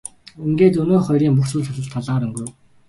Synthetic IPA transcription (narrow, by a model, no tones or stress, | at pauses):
uŋɡeːt̪ɵnoːχɔjɾiːŋpuxsuːɮʰʊɮə̆ɮt̪ʰːaɮaːɾɵŋɡŭw